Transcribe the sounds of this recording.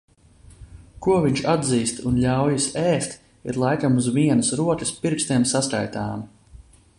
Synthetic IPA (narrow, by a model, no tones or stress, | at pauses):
kuɔviɲt͡ʃad̪ziːst̪unlʲawjisɛːst̪ | iɾlˠajkamuzviɛnusɾuɔt̪ʲispiɾkst̪iɛmsaska̰jt̪aːm